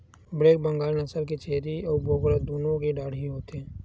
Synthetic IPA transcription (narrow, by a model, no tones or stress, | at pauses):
bɾeːk̚bɐ̃ŋɡaːlnɐsəlk̬et͡ʃeːɾiɔːɾboːɡəɽad̪oːnõkeɖaːɽiɦoːt̪ɛː